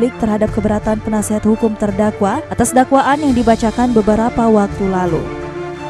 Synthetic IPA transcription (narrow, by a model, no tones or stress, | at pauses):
lɪk̚t̪ərɦadap̚kəbəɾat̪anpənasiɦat̪hukʊmt̪ərdakwaʔat̪asdakwaʔanjaŋdibat͡ʃakanbəbəɾapawak̚t̪ulalṵ